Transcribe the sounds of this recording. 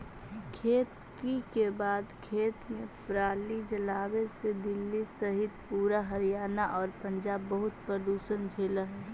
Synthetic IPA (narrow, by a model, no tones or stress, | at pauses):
kʰeːt̪ | ikebaːd̪kʰeːt̪mẽpɾaːlid͡ʒəlaːwesed̪ɪlːisəɦɪt̪puːɾaɦəɾijaːnaʔɔːɾpə̃nd͡ʒaːbːəɦʊt̪pɾəd̪uːsənd͡ʒʱeːləɦɛː